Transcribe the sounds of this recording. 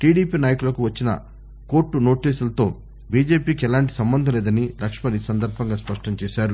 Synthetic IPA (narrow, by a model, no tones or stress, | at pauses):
ʈiːɽiːpiːnaːjɐkulɐkuʋɐt͡ʃːinɐ̰ | ko̞ːɾʈːuno̞ːʈiːsulɐt̪o̞ː | biːd͡ʒe̞ːpiːkiɛlaːɳʈi̥sɐmbɐnd̪ʱɐlɛːd̪ɐnilʔɐkʂmɐniːsɐnd̪ɐɾbʱɐŋɡaːspɐʂʈɐɲt͡ʃɛːʃaːɾu